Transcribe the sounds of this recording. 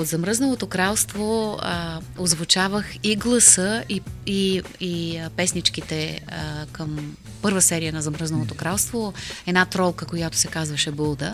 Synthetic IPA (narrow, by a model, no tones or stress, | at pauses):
od̪zɐmɾɤznovˠot̪okɾalˠst̪vo | ozvʊt͡ʃavəxiɡlˠɐsɤiiipɛsnit͡ʃk̟it̪ɛ | kəm | pɤɾvəsɛɾijənɐzɐmɾɤznɐlˠot̪okɾalˠst̪voɛnat̪ɾɔlˠkəkojat̪ʊ̥sɛkazvəʃɛbɤlˠd̪ə